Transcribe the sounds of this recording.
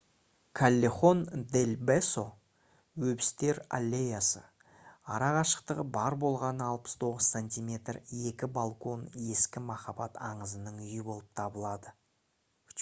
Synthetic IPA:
kʰalʲːeχo̞nd̪elbeso̞ | wɵbɪst̪e̞ɾa̰lʲːejasə̰ | ɑ̰ɾɑʁɑʃə̥qt̪əʁəbɑɾbo̞lˠʁɑnɑlˠpə̥st̪ʰo̞ʁəzsanʲt̪ʲijmʲe̞t̪re̞kʲɪbalˠko̞ne̞skʲɪmɑχɑbɑt̪ɑɴəzənəɴʏjɪbo̞lˠəp̚t̪ʰɑbəlˠɑd̪ə

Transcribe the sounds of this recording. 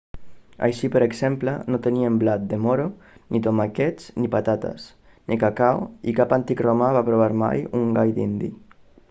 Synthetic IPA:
a̰jʃipəɾeɡzɛmplənot̪əniəmblat̪̚d̪emoɾo | nit̪omakɛt͡snipat̪at̪ə̰s | nʔikakawikapant̪ikromaβapɾoβ̞aɾma̰juŋɡajd̪ḭnd̪ḭ

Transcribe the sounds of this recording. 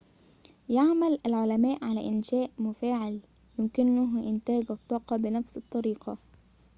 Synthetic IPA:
jaʕmalalʕʊlamaːʔʕalæ̰ʔɪnʃæːʔmʊfaːʕɪl | jɪmkɪnʊɦʔɪnt̪æːɡɑt̪ˤːɑːqɑbɪnafsɨt̪ˤːɑɾiːqɑ

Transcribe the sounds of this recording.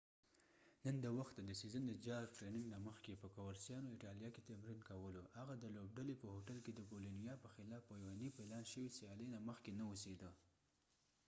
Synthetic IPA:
nənd̪əwaxt̪ːad̪əsezəned̪əd͡ʒɑɾfɾenɪŋɡnaməxkepəkawaɾsjɑnoɪʈɑlijɑket̪amɾinkawəlohaɣad̪əlob̚ɖalepəhoʈalked̪əɡolinijɑpəxɪlɑfajwanipəelɑnʃəwisijɑlənaməxkenaosed̪ə

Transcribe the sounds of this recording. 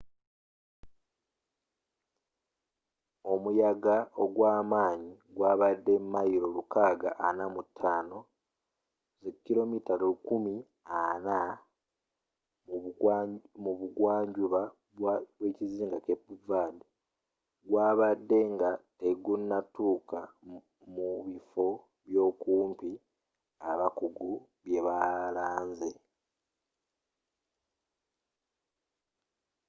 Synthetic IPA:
o̞mujaɡaoɡwaːmaːɲiɡwaːβadːe̞mːajiɾo̞lukaːɡa̰ʔa̰namutʰːaːno̞ | zecːiɾo̞mitalukumi | ana | muβuɡwaːɲɟuβa | βwe̞ːciziːŋɡakepːuvaːde | ɡwaːβadːe̞ŋɡateɡunːatuːka | muβifo̞ | βjo̞ːkuːmpi | aβakuɡu | βje̞βalaːnze

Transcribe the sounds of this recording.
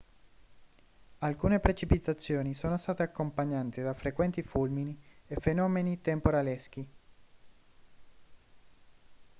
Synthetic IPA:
alkuːnepɾet͡ʃipit̪at̪sːjoːnisoːnost̪aːt̪eakːompaɲːant̪ed̪afɾekwɛnt̪ifulminiefenɔːmenit̪empoɾalesk̟i

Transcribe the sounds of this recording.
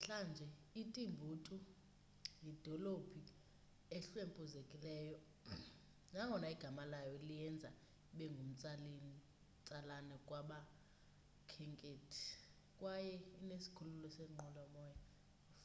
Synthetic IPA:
ɬand͡ʒʱɛitʼimbʱuːtʰʼu | jid̥ʱɔlobʰʱi | ɛɬwempʼuzekʼilɛːjɔ | naŋʱɔnaiɡ̥ʱamalajɔlijɛnd͡zʱa | ɓɛŋɡʱum̩t͡sʼal | t͡sʼalanɛkʼwaɓa | kʰɛŋkʼetʰi̥ | kʼwajɛinesi̥kʰululɔsɛŋ͡ǃɔlɔmɔːja

